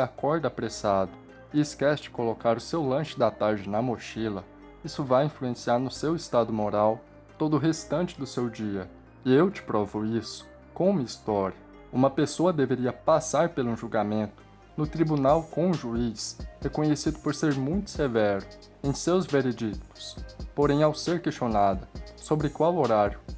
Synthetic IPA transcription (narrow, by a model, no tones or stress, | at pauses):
akɔɾd̪apɾesad̪ʊ | ɪːskɛsɪt͡ʃɪ̥kolokaɾʊsewlɐ̃ʃɪd̪ɐt̪aɾd͡ʒɪnɐmoʃilɐ | isʊvajĩfluẽsiaɾnʊsewɪst̪ad̪ʊmoɾaw | t̪od̪ʊɦest̪ɐ̃t͡ʃɪd̪ʊsewd͡ʒiɐ | ɪewt͡ʃɪ̥pɾɔvʊisʊ̥ | kõũmɐist̪ɔɾiɐ | ũmɐpesoɐd̪eveɾiɐpasaɾpelũʒuwɡamẽnt̪ʊ̥ | nʊt̪ɾibunawkõʒuishekõɲesid̪ʊpoɾseɾmũj̃t̪ʊ̥sevɛɾʊ | ẽj̃sewzveɾed͡ʒikt̪ʊ̥spoɾẽj̃awseɾkest͡ʃonad̪ɐsobɾɪkwawoɾaɾjʊ